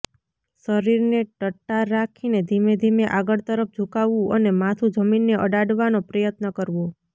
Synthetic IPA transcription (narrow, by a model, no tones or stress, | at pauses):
səɾiɾneʈəʈːaɾakʰined̪ʱimed̪ʱimeʔaɡəɭt̪əɾəp̚ʰd͡ʒʱukaʋũənemat̪ʰud͡ʒəminːeʔəɖaɽʋanopɾəjət̪nəkəɾʋo